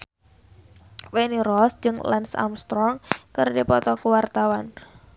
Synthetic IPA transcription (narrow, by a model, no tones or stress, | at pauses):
weniɾɔsd͡ʒɨŋlɛnsa̰mst̪ɾɔŋkərdipɔt̪ɔkuwart̪awan